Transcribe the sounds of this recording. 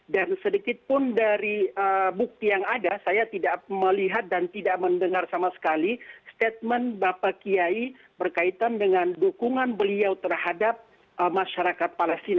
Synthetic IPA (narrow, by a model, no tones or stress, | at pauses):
dansədikɪt̪̚pʊndaɾiəbuk̚t̪ijaŋadasajat̪idaʔməliɦat̪̚dant̪idaʔməndəŋarsamasə̥kalist̪et̪̚mɛnbapakiai | bərkait̪andəŋandukuŋanbəliawt̪ərhadap̚ | ʔəmaʃaɾakat̪̚palɛst̪ina